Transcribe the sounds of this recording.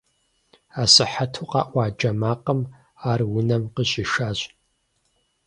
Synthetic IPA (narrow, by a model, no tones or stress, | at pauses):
aːsɨħatʰuqʼɑ̰ːʔʷɑːd͡ʒɐmaːqəm | aːrwʊnɐmqəɕʼiʃaːɕʼ